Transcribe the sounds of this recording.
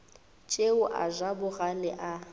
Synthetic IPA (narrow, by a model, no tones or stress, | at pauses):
t͡ʃʼeʊʔa̰ʒabʊɣalɪʔa